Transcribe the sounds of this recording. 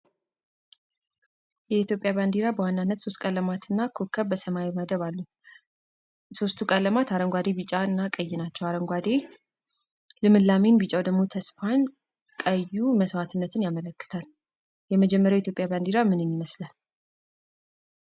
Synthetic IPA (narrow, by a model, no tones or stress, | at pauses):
jɛit̪ʰjo̞pʼjaβand̪iɾabəwanːanːət̪so̞st̪̚kʼələmat̪ɨnːakʰokʰːəβbəsəmaeməd̪əβalːut̪ | so̞st̪ʰukʼələmat̪ʰaɾəŋɡʷad̪e̞bit͡ʃʼaɨnːakʼəjːɪnat͡ʃːɛwaɾəŋɡʷad̪e | lɨmɨlːame̞nbɨt͡ʃʼawd̪əɡmo̞t̪ʰəsfan | kʼəjːuməswat̪ʰɨnːət̪ʰɨnjamələkːɨ̥t̪ʰal | jɛməd͡ʒɛmːəɾjawjeit̪jo̞pʼjaband̪iɾamɨnɨnːiməslal